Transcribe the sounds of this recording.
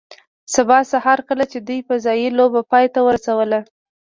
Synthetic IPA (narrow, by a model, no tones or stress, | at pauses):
sabɑsahɑɾkəlat͡ʃed̪ujpəzɑjilobapɑjt̪awəɾasawəla